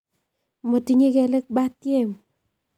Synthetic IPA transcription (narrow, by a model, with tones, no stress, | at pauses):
mo˨ti˨ŋe˦ke˨le˦k̚ba˦tje˦˨m